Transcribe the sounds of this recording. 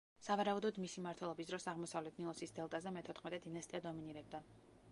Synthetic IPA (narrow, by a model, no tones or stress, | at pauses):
savaɾaud̪ɔd̪misimaɾt̪ʰwɛlˠɔbisd̪ɾɔsaʁmɔsavlɛt̪ʰnilˠɔsisd̪ɛlˠt̪ʼazɛmɛt̪ʰɔt̪ʰχmɛt̪ʼɛd̪inast̪ʼiad̪ɔminiɾɛb̚d̪a